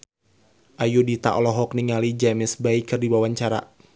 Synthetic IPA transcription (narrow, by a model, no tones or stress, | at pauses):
ʔajudit̪a̰ʔɔlɔɦɔkniŋalid͡ʒamɪsbaikɨrdiwawaɲt͡ʃaɾa̰